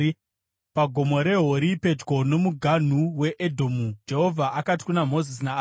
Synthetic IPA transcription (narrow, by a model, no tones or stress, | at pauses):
paɡʱo̞mo̞ɾe̞ɦoɾipe̞d͡ʒɡo̞no̞muɡʱan̤uwe̞ʔedʱomud͡ʒe̞ɦo̞vʱaʔakati̥kunamo̞zisina